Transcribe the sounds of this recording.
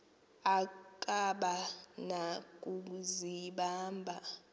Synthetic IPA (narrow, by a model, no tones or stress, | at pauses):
akʼaɓanak̬ʼuk̬uziɓaːmbʱa